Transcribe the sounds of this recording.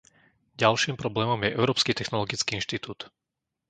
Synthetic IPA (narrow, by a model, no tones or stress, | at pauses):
ɟalʃiːmpɾɔblɛːmɔmjɛʔɛʊɾɔːpskit̪ɛxnɔlɔɡit͡skiːinʃt̪it̪uːt̪